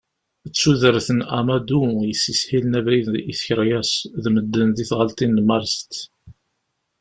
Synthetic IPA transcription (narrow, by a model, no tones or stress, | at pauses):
t͡sːuðəɾθənamad̪ujəsːisħilənævɾiðiθçəɾjæsðməd̪ːənðiθʁəlt̪inːmɑɾst̪